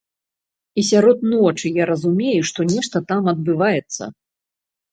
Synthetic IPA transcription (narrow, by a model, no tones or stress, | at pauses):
isʲaɾɔt̪nɔt͡ʂɨjaɾɐzumʲejuʂt̪ɔnʲɛʂt̪ɐt̪amɐd̪̚bɨvajɛt̪sːɐ̰